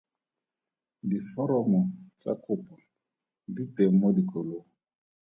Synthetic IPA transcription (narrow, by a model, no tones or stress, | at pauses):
difɔɾɔmɔt͡sa̰kʼʊpɔ | ditemɔdikʼoloːŋɔ